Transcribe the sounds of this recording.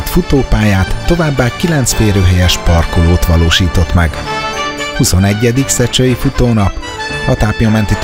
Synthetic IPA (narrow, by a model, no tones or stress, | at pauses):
t̪fut̪oːpaːjaːt̪ːo̞vaːbːaːkilɛnt̪sfeːɾøːɦɛjɛʃpɒrkoloːt̪ʋɒloːʃiːt̪o̞t̪mɛɡ | husonɛɟːɛd̪iksɛt͡ʃøjifut̪oːnɒp | ɒt̪aːpjɒmɛnt̪it̪